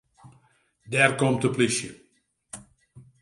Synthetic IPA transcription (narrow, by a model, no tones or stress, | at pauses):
dɛrkɔmtəplisjə